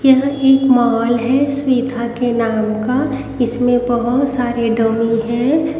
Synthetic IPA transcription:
kjaɦeːkmaɔːlɦɛswiːd̪ʱakenaːmka | ɪsmẽbɐɦʊt̪saːɾeɖəmiɦɛ̃

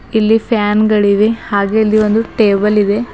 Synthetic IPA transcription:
ilːipʰjaːnɡɐɭiʋihaːɡeɐlːio̞nd̪uʈeːbɐlid̪e̞

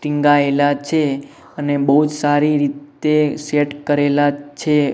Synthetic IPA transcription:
ʈĩŋɡaelat͡ʃʰe | ənebəɦud͡ʒsaɾiɾit̪eseʈkəɾelat͡ʃʰe

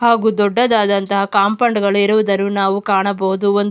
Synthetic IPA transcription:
haːɡud̪ɔɖːɐd̪aːd̪ɐnt̪ɐɦɐkaːmpɐɳɖɡɐɭuiɾuʋud̪ɐnːunaːʋukaːɳɐbɐɦud̪uond̪

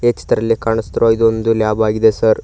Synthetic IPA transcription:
et͡ʃi̥t̪ɐɾɐlːikaːɳɐst̪ɾujid̪ond̪ulaːbaːɡid̪esɐɾ

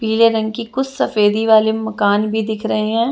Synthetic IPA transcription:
piːleɾɐ̃ŋɡ̚kikʊt͡ʃʰsɐfeːd̪iʋaːlemɐkaːnbʱid̪ɪkʰɾɐɦeɦɛ̃ː

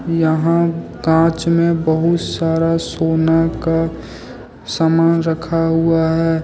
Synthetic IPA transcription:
jəɦã | ɡãːt͡ʃmẽbəɦʊt̪saːɾasoːnaka | samaːnɾəkʰaɦuaɦɛː

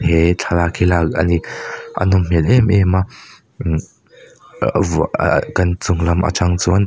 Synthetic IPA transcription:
hɛt͡ɬʰalakʰilak̚a̰niʔɐ̰nʊmm̥ɛlʔɛmʔɛma | kɐnt͡sʊŋlɐmʔa̰t͡saŋt͡suɐn

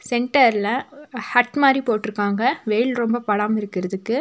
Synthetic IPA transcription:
sɛɳʈɐɾlɐhɐʈmaːd̪ɾipoːʈːɪɾɯkːaːŋɡɐʋɛjɪlɾɔmbɐpɐɽaːmɪɾɯkːɪɾɐðɯkːɯ

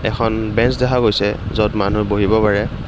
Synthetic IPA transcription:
ɛ̰kʰɔnbɛnsdɛkʰaɡojsɛzɔtmanuboɦibɔpaɹɛ

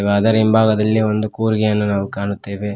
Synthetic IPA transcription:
ʋaːd̪ɐɾimbʱaːɡɐd̪ɐlːio̞nd̪ukuːɾɡɛjɐnːunaːʋukaːɳut̪ːeːʋe

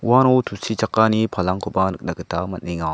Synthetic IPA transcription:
uwanowtʰusit͡ʃakːanipʰalaŋkʰubanɯk̚nakɯtamɐt̚niŋa

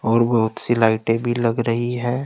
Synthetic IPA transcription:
ɔːɾbɐɦʊt̪silaːɪʈebʱilɐɡɾɐɦiɦɛː

